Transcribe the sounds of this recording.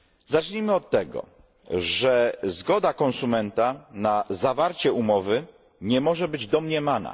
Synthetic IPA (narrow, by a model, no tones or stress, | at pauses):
zat͡ʂɲimɘɔt̪ːɛɡɔ̰ | ʐɛzɡɔd̪akɔ̃nsumɛnt̪anazavaɾt͡ɕɛumɔvɘ | ɲɛmɔʐɛbɘd͡ʑd̪ɔmɲɛmana̰